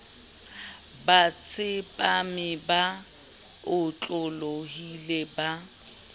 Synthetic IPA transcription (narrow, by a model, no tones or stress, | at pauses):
bat͡sʰɪpʼamɪba | ʊt͡ɬʼʊloɦileba